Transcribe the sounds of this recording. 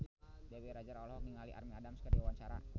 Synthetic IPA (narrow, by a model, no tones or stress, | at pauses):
deweɾad͡ʒaɾɔlhɔniŋaliʔa̰rmiadamskadiawaɲt͡ʃaɾa̰